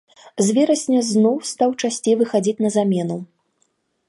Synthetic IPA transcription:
zʲvʲɛɾɐsʲnʲɐznɔwst̪awt͡ʂasʲt͡sʲejvɨxad͡zʲit͡sʲnɐzamʲɛnu

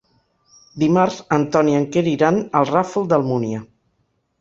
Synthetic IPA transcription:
d̪imaɾzənt̪ɔniəŋkeɾiɾanəlˠrafulˠd̪əlˠmuniə

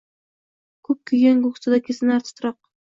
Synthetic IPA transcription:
kʰɵp̚kʲʰɵɡʲanɡokst̪ad̪akʲʰesɪnaɾt̪ʰɪ̥t̪ʰɾɑq̚

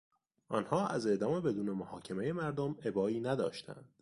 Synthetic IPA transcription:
ʔɒːnhɒːʔæze̞ʔd̪ɒːme̞be̞d̪uːne̞mohɒːcʰe̞me̞je̞mæɾd̪ome̞bɒːiːnæd̪ɒ̰ːʃt̪ʰæ̰nd̪̥

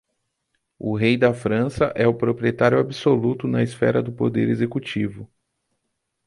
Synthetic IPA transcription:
ʊɦejd̪ɐfɾɐ̃sɐʔɛʊpɾopɾiet̪aɾjʊabisolut̪ʊnɐisfɛ̰ɾɐd̪ʊpod̪eɾezekut͡ʃivʊ

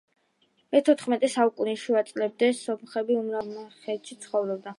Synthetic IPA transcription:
mɛt̪ʰɔt̪χmɛt̪ʼɛsaukʼunɛʃuat̪sʼlɛb̚d̪ɛsɔmχɛbiumɾamɛχɛt̪ʃit̪sʰχɔvɾɔb̚d̪a

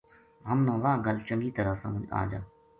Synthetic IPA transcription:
ɦəmnãːʋãːɡəlt͡ʃəŋɡiːt̪əɾaːsã̰məd͡ʒa̰ːd͡ʒaː

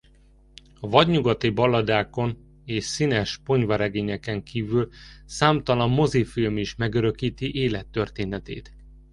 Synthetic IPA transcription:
ɒvɒɟɲuɡɒt̪ibɒlːɒd̪aːko̞n | eːʃsinɛʃpo̞ɲvɒɾɛɡeːɲɛkɛŋkiːvylsaːmt̪ɒlɒmːo̞zifilmiʃmɛɡøɾø̞kiːt̪iʔeːlɛt̪ːø̞rt̪eːnɛt̪ḛːt̪

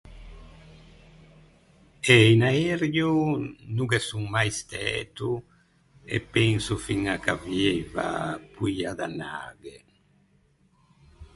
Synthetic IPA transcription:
ejnaeɾjunuɡesuŋmajst̪ɛt̪u | ḛpeŋsufiŋakaβjeβa̰pujaðana̰ɡe

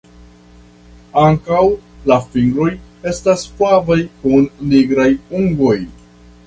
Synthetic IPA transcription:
aŋkawlafiŋɡɾo̞je̞staspavajkunːiɡɾajuŋɡo̞j

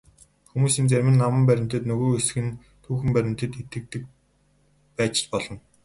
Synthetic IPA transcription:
xumuːsiːnt͡sæɾʲmɘ̆nːamə̆mpæɾʲɪ̆m̥ʲt̪ɘ̆t̪nɵɣoːesxɘ̆n | t̪ʰuːxɘ̆mpæɾʲɪ̆m̥ʲt̪ɘ̆t̪et̪ɘ̆k̚t̪ɘ̆k̚ | pæːt͡ɕɪ̥̆t͡ɕpɔɮɞ̆n

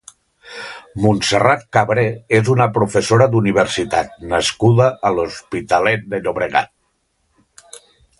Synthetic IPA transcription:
munserat̪̚kaβɾeezunəpɾufesoɾəðuniβ̞əɾsit̪at̪̚nəskuðəʔːluspit̪alɛt̪̚d̪əʎoβɾəɣa̰t̪̚

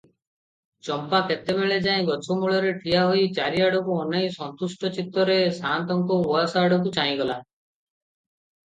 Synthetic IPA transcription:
t͡ʃɔmpaket̪ebeɭed͡ʒaĩɡɔt͡ʃʰɔmuɭɔɾeʈʰijaɦoit͡ʃaɾiaɽɔkuɔnaj̃sɔnt̪usʈɔt͡ʃit̪ːɔɾesant̪ɔŋkɔuasaːɽɔkut͡ʃaĩɡɔla

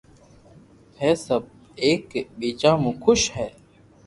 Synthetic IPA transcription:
heːsəb̚ | eːkɓiːt͡ʃãːmũːkʰʊʃhɛː

